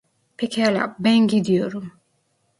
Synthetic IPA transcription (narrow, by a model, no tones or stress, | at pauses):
pʰecʰihalʲa̰bænɟid̪ijoɾum